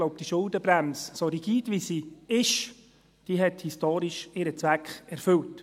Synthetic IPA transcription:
oʊp̚d̪̥iʃʊldəbɾæmssoɾiɡ̥iːdʋisiɪʃ | d̥iɦɛthistoːɾiʃɪɾət͡svækχɛɾfʏlt

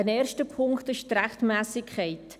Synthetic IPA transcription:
ənɛːɾʃtəpʰʊŋktɪʃt̪ræχtmæːsɪkʰχɛɪt

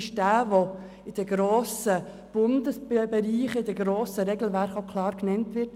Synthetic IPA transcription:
ɪʃd̥æːʋo | ɪd̥əɡ̥ɾoːsə | b̥ʊndəsbbɛɾiːχəɪd̥əɡɾoːsəɾɛɡl̩væɾχokʰlɑːɾknɛntʋɪt

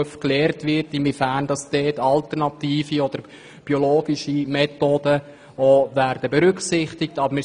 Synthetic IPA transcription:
əfklɛːɾtʋɪrtɪmvifændɑsd̥ɛːtɑltərnɑtiːfiɔd̥̪əɾ | b̥ioloːɡiʃimɛtoːdə | oːvæːrd̥əbɛɾʏksɪχtɪk̚tɑbmɪ

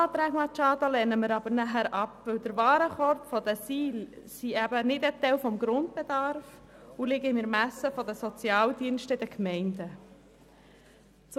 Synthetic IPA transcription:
ɑːt̪ɾæːɡmɑt͡ʃɑːd̪alɛːnəməɾɑbəɾnæɦæɾʔɑpvɪwd̥əɾʋɑːɾəχɔɾtfɔd̥əsiːlsiɛbənɪdɛt̪ːɛwfɔmɡɾʊnt̚b̥ɛd̪ɑɾfulɪɡəɪnɪɾmæsəfɔdəsɔt͡sjɑːldiənʃtəɪd̥əkmɛɪnd̥ə | t͡s

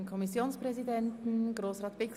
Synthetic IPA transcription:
nkʰɔmɪsjoːnspʁ̥ɛzidɛntn̩ɡ̥ʁoːsʁɑːtv̥ɪk

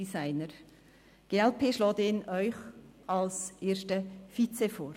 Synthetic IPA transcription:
isaɪnəɾ | ɡ̥eːɛlpʰeːʃlɔːt̪eːnɔʏçalsʔeːɾstəfit͡sefoːɾ

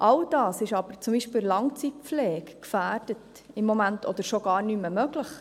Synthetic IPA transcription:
ʔɑld̥ɑːsɪʃɑb̥əɾt͡sumbiːʃpɪːllɑŋt͡sit̚p͡flɛːkkfæːɾd̥ət | ɪmːomæntʰɔd̪əɾʃoɡ̥ɑːɾnyməmœɡləχ

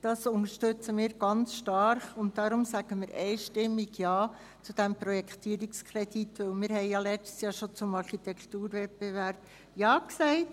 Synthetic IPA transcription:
d̥ɑsʊnəɾʃtʏt͡səmiːɾɡ̥ɑnt͡sʃtɑɾχʊnt̚d̥ɑɾʊmsæɡ̥əməɾʔɛɪʃtɪmːiɡjɑː | t͡sud̥ɛmpɾɔjɛkʰt̪iːɾikskʰɾɛd̥itʋɪlmiːɾhɛɪjɑlɛt͡stə̥sjɑːʃot͡sʊmɑɾχitʰɛkʰtuːɾvɛt̚b̥evæɾb̥̚ | jɑːksɛɪt

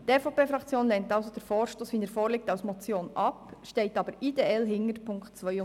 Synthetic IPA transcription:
tɛfopeːfɾɑkt͡sjoːnlɛntɑʊsod̥̪əɾfoːɾʃtoːsʋiːnəɾfoːɾlɪk̚tɑwsmɔt͡sjoːnɑpʃtɛɪtɑb̥əɾideɛlɦɪŋəɾpʰʊŋkχtt͡sʋœʏʊ

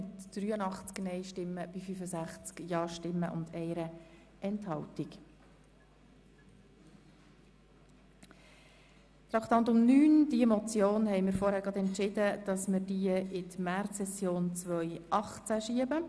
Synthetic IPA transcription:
ɪtd̪̥ɾyːənɑχt͡sknɛɪʃtɪmːəb̥ifyfəsæχt͡skjɑːʃtɪmːəʔʊ̰nd̪ɛɪɾə | ʔɛnthɑwtɪk | t̪ɾɑkt̪ɑnt̪ʊmnyːnd̥iəmɔt͡sjoːnhɛɪmɪːɾfɔːɾhæːɾɡɑd̪ɛnt͡ʃɪd̪əd̥ɑsməɾdiəɪtmærtsɛsjoːnt͡sʋœʏʔɑχt͡sæʃiəbə

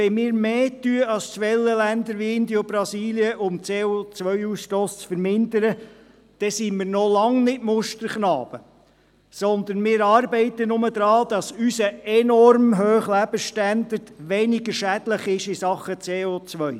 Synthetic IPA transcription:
ʋɛmiːɾmeːtyəɑlst͡sʋɛlːəlænd̪əɾʋiɪnd̪iobɾɑsiːliəʔʊmt͡seːot͡sʋœʏuːsʃtoːst͡sfəɾmɪnd̪əɾə | d̥ɛsimɪːɾnɔlɑŋnɪtmʊʃtəɾχnɑːb̥ə | sɔnd̪ənmɪːɾɑːɾbɛɪt̪ənʊməd̪ɾɑːd̪̥ɑsysəɛnɔrmɦøːχlæb̥əʃtænd̪əɾtʋɛnɪɡəɾʃædləχɪʃɪsɑχət͡seːot͡sʋœʏ

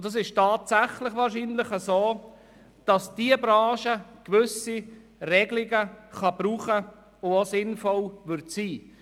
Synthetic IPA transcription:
d̥ɑs̬ɪʃtɑːtsæχlɪχʋɑːɾʃiːnlɪχəsoː | d̥ɑsd̥iəbɾɑ̃ːʃəkʋʏsi | rɛɡlɪɡəχɑbruːχə | ʊosɪnfɔlʋʏɾtsiː

